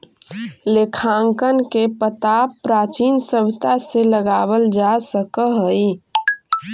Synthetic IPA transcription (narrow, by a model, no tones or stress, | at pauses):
lekʰaːŋkənkepət̪aːpːɾaːt͡ʃiːnsəbt̪aseləɡaːwəld͡ʒasəkəɦəi